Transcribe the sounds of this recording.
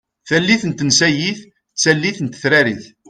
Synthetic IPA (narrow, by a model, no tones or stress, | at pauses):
θælːiθənt̪ənsæjiθ | t͡sːælːiθənt̪θɾæɾiθ